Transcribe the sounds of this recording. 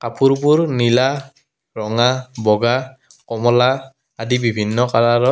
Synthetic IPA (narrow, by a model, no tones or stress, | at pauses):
kapuɹpuɹnila | ɹɔŋabɔɡa | kɔmɔlaː | dibibʱinːɔkalaɹɔ